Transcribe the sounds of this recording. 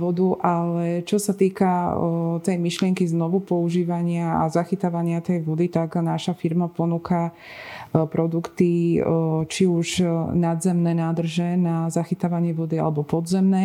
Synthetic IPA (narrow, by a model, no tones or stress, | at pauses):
ʋɔd̪uʔalɛt͡ʃɔsat̪iːkat̪ɛjmiʃlɪɛŋkiznɔʋupɔuʒiːʋaɲɪaa̰zaxit̪aʋaɲɪat̪ɛjʋɔd̪it̪aɡnaʃafiɾmapɔnuːka | pɾɔd̪ukt̪i | t͡ʃiuʒnad̪zɛmnɛːnad̪r̩ʒɛnazaxit̪aʋaɲɪɛʋɔd̪ia̰lɛbɔpɔd̪zɛmnɛː